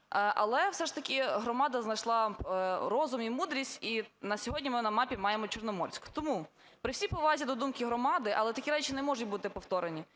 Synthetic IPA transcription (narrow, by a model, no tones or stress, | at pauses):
ʔɐ̰lˠɛwsɛʂt̪ɐkʲɪɦɾɔmɑd̪ɐznɐjʃlˠɑɾɔzʊmimud̪ɾʲisʲtʲinɐsʲɔɦɔdʲnʲimɪnɐmɑpʲimɑjemɔt͡ʃɛrnɔmɔrsʲkt̪ɔmu | pɾɪwsʲipɔʋɑzʲid̪ɔd̪umkɪɦɾɔmɑd̪ɪʔɐ̰lˠɛt̪ɐkʲiɾɛt͡ʃɪnɛmɔʒʊt̪̚ʲbut̪ɪpɔwt̪ɔɾenʲi